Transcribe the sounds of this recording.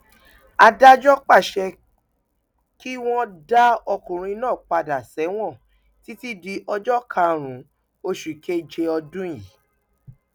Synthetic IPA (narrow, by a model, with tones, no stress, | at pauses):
a˧da˦d͡ʒɔ˦k͡pa˦˨ʃɛ˧ | ki˦w̃ɔ̃˦da˦ɔ˧kũ˨ɾ̃ĩ˧nãː˦˨k͡pa˧da˨sɛ˨˦w̃ɔ̃˦˨ | ti˨˦ti˦di˧ʔɔ˧d͡ʒɔ˦kʰa˧ɾ̃ũ˨˦ | o˧ʃu˨kʰe˦d͡ʒe˧ɔ˧dũ˦ji˨